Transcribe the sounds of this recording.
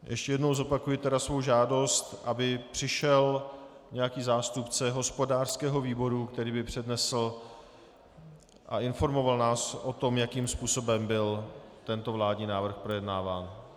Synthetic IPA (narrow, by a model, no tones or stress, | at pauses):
jʔɛ̰ʃcɛjɛdno̞wzo̞pakujɪt̪ɛdasvo̞wʒaːdo̞st̪ʔabɪpr̝̥ɪʃɛl | ɲɛjakiːzaːst̪upt͡sɛɦo̞spo̞daːr̥skɛːɦo̞viːbo̞ɾukt̪ɛɾiːbɪpr̝̥ɛdnɛsl̩ | ʔa̰ʔɪnfo̞ɾmo̞valnaːsʔo̞t̪o̞mjakiːmspuːso̞bɛmbɪlt̪ɛnt̪o̞vlaːdɲiːnaːvr̩xpɾo̞jɛdnaːvaːn